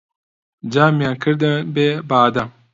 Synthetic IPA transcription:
d͡ʒamjaŋkʰəɾd̪əbebaːd̪a

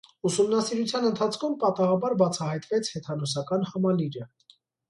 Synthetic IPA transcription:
usumnɑsiɾut͡sʰjɑnənt̪ʰɑt͡sʰkʰumpɑt̪ɑʁɑbɑɾbɑt͡sʰɑhɑjt̪vɛt͡sʰhɛt̪ʰɑnɔsɑkɑnhɑmɑliɾə

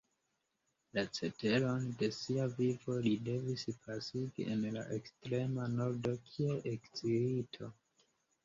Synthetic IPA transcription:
lat͡se̞te̞lo̞nde̞siavivo̞lide̞vispʰasiɡḭʔenla̰ʔekstɾe̞mano̞ɾdo̞kʰieʔekt͡siɾitʰo̞

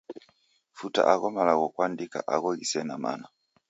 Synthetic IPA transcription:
futa̰ʔaɣɔmalaɣɔkwandika̰ʔaɣɔɣisɛnama̰na

